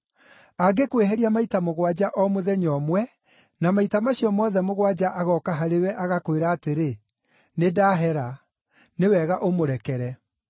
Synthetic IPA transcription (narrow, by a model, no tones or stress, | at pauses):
aɡekweɦɛɾiamaitamoɣwad͡ʒaʔɔmoðɛɲɔmwɛ | namaitamaɕiɔmɔðɛmoɣwad͡ʑaʔaɣɔkaɦaɾewɛʔaɣakweɾaːteɾe | nedaːɦɛɾa | newɛɣaʔomoɾɛkɛɾɛ